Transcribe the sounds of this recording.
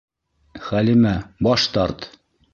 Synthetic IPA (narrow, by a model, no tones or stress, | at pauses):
χælimæbɒʃt̪ɑɾt̪